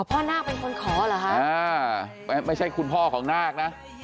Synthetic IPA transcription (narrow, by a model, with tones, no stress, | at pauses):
a˨˩pʰɔː˥˩naː˥˩k̚pe˧nkʰo˧nkʰɔː˩˦laː˨˩˦kʰa˥˩aː˧˩ | m˧˥ma˥˩jt͡ɕʰa˥˩jkʰu˧npʰɔː˥˩kʰɔː˩˦ŋnaː˥˩k̚na˦˥